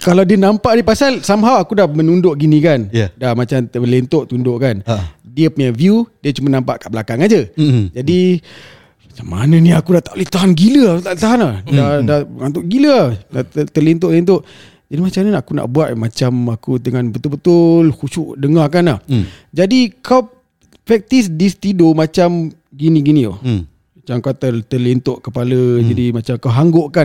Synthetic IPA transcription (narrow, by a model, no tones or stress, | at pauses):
kalawdiənampaʔdipasalsamɦawakudamənundʊʔɡinĩkanjdamat͡ʃaməlent̪oʔt̪undoʔkandiəpəɲaviudiət͡ʃumanãmpaʔkaʔbəlakaŋad͡ʒəd͡ʒadi | mat͡ʃamːa̰nə̃nĩakudat̪aʔlet̪aɦanɡiləakut̪aʔt̪aɦanlahdadaŋant̪ʊʔɡiləahnat̪əlint̪̬oʔlint̪̬oʔ | d͡ʒadimat͡ʃamɲənaʔakuna̰ʔbuaʔ̪mat͡ʃamakut̪əŋanbət̪ʊlbət̪ʊlhut͡ʃuʔdəŋakanahd͡ʒadikʰaw | pɛk̚t̪is̬dist̪idomat͡ʃam | ɡinĩɡinĩo̰ | mat͡ʃamkawt̪ət̪əlint̪oʔkəpaləd͡ʒadimat͡ʃamkawɦaŋɡoʔkan